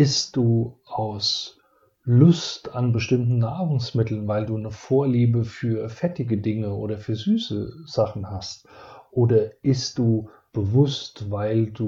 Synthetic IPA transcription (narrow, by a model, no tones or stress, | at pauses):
ʔɪstd̥uːʔaʊs | lʊstanbəʃtɪmtn̩naːʁʊŋsmɪtl̩nvaɪlduːnəfoːɐliːbəfyːɐfɛtɪɡədɪŋəoːdɐfyːɐzyːsəz̥aχn̩hastʔoːdɐʔɪstd̥uː | b̥əvʊstvaɪlduː